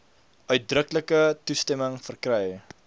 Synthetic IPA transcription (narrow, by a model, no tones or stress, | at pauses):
œɥt̚drəkləkətustɛməŋfərkrɛj